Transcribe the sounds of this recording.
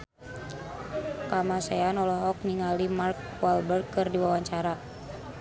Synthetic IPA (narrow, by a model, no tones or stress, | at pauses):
kamasɛanɔlɔɦɔk̚niŋalimark̚ | walbərkɨrdiwawaɲt͡ʃaɾa